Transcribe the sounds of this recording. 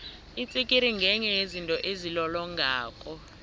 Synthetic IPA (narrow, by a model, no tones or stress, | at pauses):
it͡sʼikʼiɾiŋɡʱɛɲɛjezintʼɔʔezilɔlɔŋʱaːkʼɔ